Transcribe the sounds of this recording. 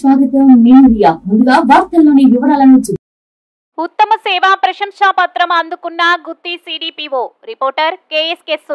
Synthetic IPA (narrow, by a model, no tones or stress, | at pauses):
ʋaːɡ̪it̪oːneːnuʋijaːmund̪uɡaːbʱaːɾt̪ɐlːoːniːʋuʋɐnaːlɐnit͡ʃːind̪i | ut̪ːɐmɐsɛːʋaːpɾɐʃɐmʂaːpɐt̪ɾɐmɐnd̪ukunːaɡut̪ːisiːɖiːpiːʋoːɾipoːɾʈɐɾkeːeskesu